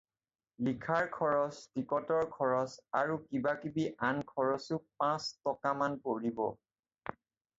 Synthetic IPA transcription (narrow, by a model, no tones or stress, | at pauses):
likʰaɹkʰɔɹɔstikɔtɔɹkʰɔɹɔsaɹukibakibiʔankʰɔɹɔsʊpãstɔkamanpoɹibɔ̰